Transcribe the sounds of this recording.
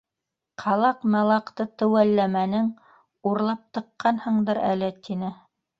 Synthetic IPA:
qʰɑlˠɑqmælˠɑqt̪ɤt̪ɘ̆wælːæmænɘŋ | uɾlˠɑp̚t̪ɤ̆qːɑnhɤ̆ɴd̪ɤɾæ̰lɘt̪inɘ

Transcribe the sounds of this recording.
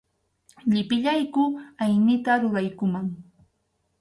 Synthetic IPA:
ʎɪpɪʎajkʊajnɪt̪aɾoɾɑjkʊmaŋ

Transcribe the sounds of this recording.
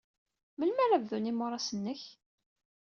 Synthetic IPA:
məlmæɾævðunimʊɾˤɑsənːəç

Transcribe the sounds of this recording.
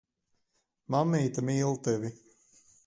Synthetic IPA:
mamːiːt̪amiːlˠt̪ɛvʲi

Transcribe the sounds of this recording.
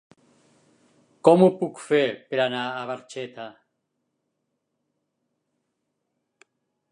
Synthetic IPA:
kɔmupukfeɾpeɾanaːβ̞aɾt͡ʃet̪a

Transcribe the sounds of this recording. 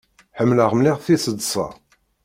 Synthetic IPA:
ħəmːləʁmliʁθisəd̪sˤɑ̰

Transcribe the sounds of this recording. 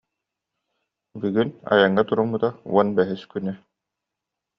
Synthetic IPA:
byɡyna̰jaŋːat̪uɾumbɯt̪auɔnbɛɦiskynɛ

